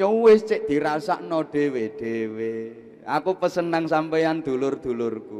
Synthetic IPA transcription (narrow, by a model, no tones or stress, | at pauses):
uwɪst͡ʃɪʔd̪̥i̤ɾasa̰ʔnɔɖ̪̥e̤weɖ̪̥ewe | a̰kupəsənaŋsampejand̪̥ulʊrd̪̥ṳlʊrku